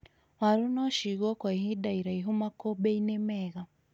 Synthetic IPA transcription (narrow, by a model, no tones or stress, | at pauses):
waɾunɔʃiɣɔkwaiɦidaiɾaiɦumakɔbɛinɛmɛɣa